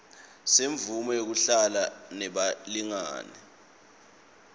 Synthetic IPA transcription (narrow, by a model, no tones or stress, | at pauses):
seɱvumɔjok̬uɬalanɛɓaliŋa̰ːnɛ